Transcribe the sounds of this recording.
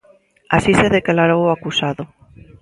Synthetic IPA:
asiseðeklaɾowoakusaðʊ

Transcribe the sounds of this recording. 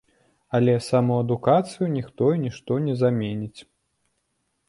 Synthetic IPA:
ɐlʲɛsamɔɐd̪ukat̪sɨjunʲixt̪ɔinʲiʂt̪ɔnʲɛzamʲenʲit͡sʲ

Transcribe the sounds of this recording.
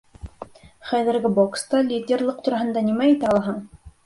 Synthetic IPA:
χæðɘ̆ɾɡɘbokst̪ɑlʲidʲerlˠɤq̚t̪uɾɑɦɤ̆nd̪ɑnimæit̪æɑlˠɑɦɤɴ

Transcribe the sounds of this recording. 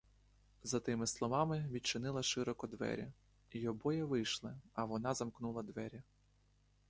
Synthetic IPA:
zɐt̪ɪmɪslˠɔʋɑmɪʋʲit͡ʃɪnɪlˠɐʃɪɾɔkɔd̪ʋɛ̰ɾʲɐ | iɔbɔjɛʋɪjʃlˠɪɐʋɔnɑzɐmknulˠɐd̪ʋɛɾʲɐ

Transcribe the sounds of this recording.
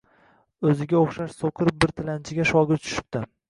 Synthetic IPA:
ɵzɪɡʲaoχʃaʃsoqʰɨɾɪp̚bɪɾt̪ʰɪlant͡ʃʰɪɡʲaʃɒɡʲɪɾt͡ʃʰʊ̥ʃɪ̥p̚t̪ɪ

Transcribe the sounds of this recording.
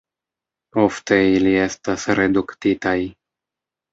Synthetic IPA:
o̞ft̪e̞ilie̞st̪asɾe̞d̪ukt̪it̪aj

